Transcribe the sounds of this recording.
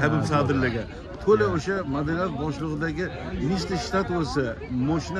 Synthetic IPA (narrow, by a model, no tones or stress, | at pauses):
abɪbsad̪ɪɾlaɡʲa | t̪ʰolaoʃamad̪anijat̪̚bɒʃlˠɨʁɨd̪aɡʲɪ | mist̪ɪʃt̪at̪wosamɒʃɪn